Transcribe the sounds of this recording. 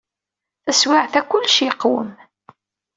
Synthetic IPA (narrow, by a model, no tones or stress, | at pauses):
θæswaʕθækʷʊlːʃjəqːwə̰m